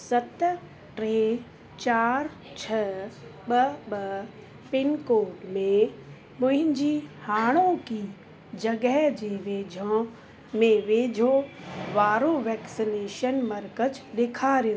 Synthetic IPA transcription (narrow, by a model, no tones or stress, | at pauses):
sɐt̪ | ʈɾeː | t͡ɕaːɾ | t͡ɕʰɐɓɐɓɐ | pɪnkoːʈmẽ | pʊ̃ɦɪ̃ɲd͡ʑiːhaːɽ̃oki | d͡ʑɐɡəɦd͡ʑeːʋeːd͡ʑʱõ | mẽʋeːd͡ʑʱoʋaːɾoʋɛːksineːʃənmɐɾkəd͡ʑɗeːkʰaːɾijo